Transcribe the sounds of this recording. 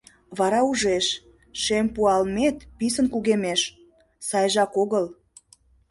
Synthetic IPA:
βɑɾɑuʒeʃ | ʃempuɑlmet̪pis̬ənkuɣemeʃ | sɑjʒɑkoɣəl

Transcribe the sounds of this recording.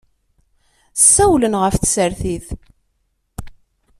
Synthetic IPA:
sːæwlənʁəfθsəɾθiθ

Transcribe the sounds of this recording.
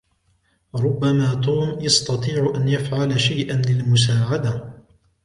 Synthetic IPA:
ɾˤʊbːamaːt̪uːmjɑst̪ɑt̪ˤiːʕʔanjafʕalaʃajʔanlɪlmʊs̬aːʕad̪a

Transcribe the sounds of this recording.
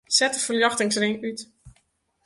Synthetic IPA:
sɛtəfəljɑxtɪŋsrɪŋyt

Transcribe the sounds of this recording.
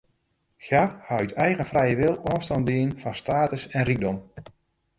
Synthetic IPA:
xjarhaɥtɛjɣəfrɛjəʋɪlˠɔːstɔndɪənfɑnstaːtəsɛnriɡ̚dɔm

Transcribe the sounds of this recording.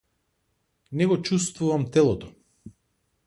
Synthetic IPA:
nɛɡɔt͡ʃust̪vuvamt̪ɛlˠɔt̪ɔ̥

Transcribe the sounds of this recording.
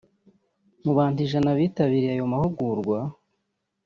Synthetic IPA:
muβaːntiʒanaβiːtaβiɾiajo̞mahuɡuɾɡwa

